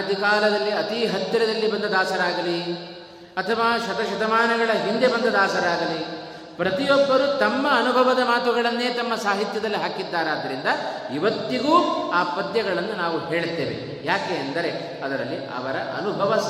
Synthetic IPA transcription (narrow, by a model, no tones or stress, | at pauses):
d̪ʱikaːlɐd̪ɐlːiɐt̪iɦɐt̪jɐɾɐd̪ɐlːibɐnd̪ɐd̪aːsɐɾaːɡɐli | ɐt̪ʰɐʋaːʃɐt̪ɐʃɐt̪ɐmaːnɐɡɐɭɐɦind̪ebɐnd̪ɐd̪aːsɐɾaːɡɐli | pɾɐt̪ijɔbːɐɾut̪ɐmːɐːnubʱɐʋɐd̪ɐmaːt̪uɡɐɭɐnːe̞ːt̪ɐmːɐsaːɦit̪jɐd̪ɐlːiɦaːkid̪ːaːɾaːd̪ːɐɾind̪ɐ | iʋɐt̪ːiɡuːaːpɐd̪jɐɡɐɭɐnːunaːʋuɦe̞ːɭt̪ːe̞ːʋḛ | jaːkeːɐnd̪ɐɾe̞ | ɐd̪ɐɾɐ̰lːiʔɐ̰ʋɐɾɐʔɐ̰nubʱɐʋɐ